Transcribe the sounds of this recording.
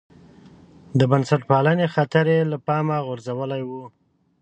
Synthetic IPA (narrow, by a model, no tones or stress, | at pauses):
d̪əbansaʈpɑlənexat̪aɾelapɑmaɣʊɾzawəlajwu